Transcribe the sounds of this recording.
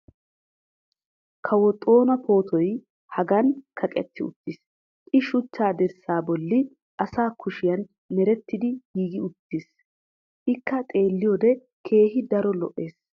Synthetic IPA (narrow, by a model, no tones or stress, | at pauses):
kʰɐwɔt̪ʼo̞ːnɐpʰo̞ːt̪ʰɔj | hɐɡɐnkʰɐkʼɛt̪ːɪʊ̰t̪ːɪs | ʔɪʃʊt͡ʃːaːd̪ɛɾsaːbɔlːɪ | ʔɐsaːkʊʃɪjɐn | mɛɾɛt̪ːɪd̪ɪɡiːɡɪʊt̪ːis | ʔɪkːɐt̪ʼe̞ːlːɪjoːd̪ɛ | kʰe̞ːɦɪd̪ɐɾɔlɔʔːe̞ːs